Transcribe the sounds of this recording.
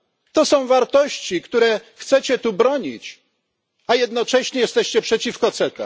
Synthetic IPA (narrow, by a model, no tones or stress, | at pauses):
t̪ɔsɔ̃w̃vaɾt̪ɔɕt͡ɕikt̪uɾɛxt̪sɛt͡ɕɛt̪ubɾɔɲḭt͡ɕ | ajɛd̪nɔt͡ʂɛɕɲɛjɛst̪ɛɕt͡ɕɛpʂɛt͡ɕifkɔt̪sɛk̪ɛ̰